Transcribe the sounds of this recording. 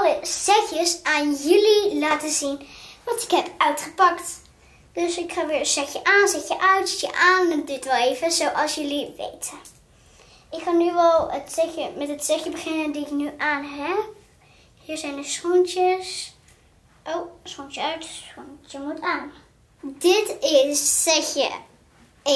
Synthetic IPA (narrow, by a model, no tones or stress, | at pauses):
ləzɛxjəsaːnjɵlilaːtəzinʋɑntɪ̥kɦɛpœɥtχəpɑkt | d̥øsɪkχaːʋɪːɹəsɛxjəʔaːnzɛxjəʔœɥtsɛtjəʔaːnɛndɪtʋɛlˠejvəzowʔɑlˠsjəliʋḛjtə | ʔɪkχaːnyʋɛlˠətsɛxjəmɛtɦətsɛxjəbəχɪnəndiɪknyʔaːnɦɛp̚ | hiːɹzɛjndəsχɔntəs | ʔowsχɔntəœɥtuntjəmutʰaːn | dɪtɪsːɛxjə̰